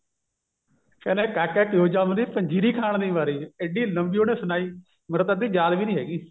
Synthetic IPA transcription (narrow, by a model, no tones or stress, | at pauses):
kɛːnẽːkɛːkɛːʈjoːd͡ʒaːmd̪iːpəɲd͡ʒiːɾiːkʰaːɳd̪iːʋaːɾiːeɖiːləmbiːoːneːsʊnaːiː | məɾət̪əd̪iːd͡ʒaːd̪ʋiːnĩːɦɛːɡiː